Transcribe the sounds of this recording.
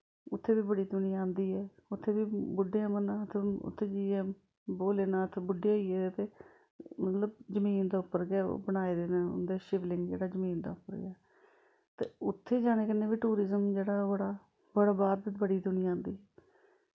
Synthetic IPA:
ʊt̪ʰːeːbiːbəɽiːd̪ʊniːãːnd̪iːɦɛːʊt̪ʰːeːʋiːbʊɖeãːmənãːt̪ʰeʊ̰t̪ʰːeːd͡ʒiːɛ̃ː | boːleːnãːt̪ʰːeːbʊɖːeːɦoiːɛːt̪eː | mət̪ləb̚d͡ʒəmiːnd̪aːʊpːəɾɡɪa̰ːbəɽaːeːd̪eːnãːʊ̰nd̪eːʃɪʋlɪŋɡd͡ʒḛːɽaːd͡ʒəmiːnd̪a̰ːʊpːəɾɡɪ̰aː | t̪ḛːʊt̪ʰːeːd͡ʒaːɽ̃eːkɪnẽːʋiːʈuːɾɪzəmd͡ʒeːɽaːbəɽaː | bəɽabaːɾd̪ɪbəɽiːd̪ʊniːãːnd̪iːɦɛː

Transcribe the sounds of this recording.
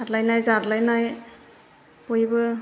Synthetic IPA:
adlajnajzadlajnaj | pɔjbɯ

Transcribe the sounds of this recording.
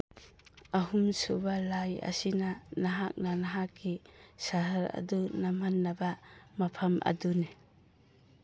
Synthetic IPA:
aɦumsubalajɐ̰sinanaɦak̚nanaɦakːisaɦaɾa̰dunamanːabamapʰɐmʔɐ̰dune

